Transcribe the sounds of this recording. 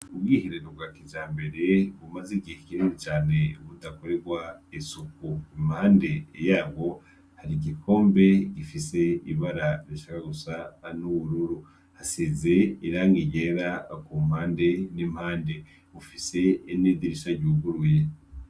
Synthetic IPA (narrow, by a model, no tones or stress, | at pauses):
ub̚ɡiːhiɾeɾob̚ɡaːkid͡ʒaːmbe̞ɾe̞βumaziɡihekiɾinut͡ʃaːne̞uβudako̞ɾeɾɡwaisukuimhaːnde̞jaːβo̞ | haɾiɡikʰo̞ːmbe̞ɡifise̞iβaɾaɾiʃakaɡusanuβuɾuɾu | hasizeiɾaːŋɡiɟeɾakum̥haːnde̞nim̥haːnde̞ | βufise̞inidiɾiʃaɟuːɡuɾuje